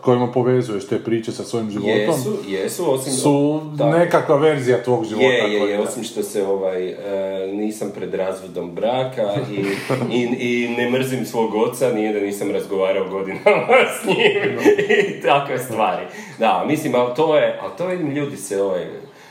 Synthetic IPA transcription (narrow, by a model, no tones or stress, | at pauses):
ko̞jimapo̞ʋe̞zujeʃt̪eːpɾiːt͡ʃesasʋojimʒiʋjoet̪osmujesuo̞simsuanekakʋaʋe̞ɾzijat̪ʋoːɡʒiʋjejejeo̞simʃt̪o̞seo̞ʋajəniːsampɾe̞d̪ɾaːzʋo̞d̪o̞mbɾaːkai | inemr̩zimsʋo̞ːɡo̞t̪sanijed̪aniːsamɾazɡo̞ʋaːɾaoɡo̞d̪inamasɲim | t̪akʋe̞st̪ʋaːɾi | d̪amislimalt̪oje̞ʔa̰lt̪oid̪mʎuːd̪iseo̞ʋaj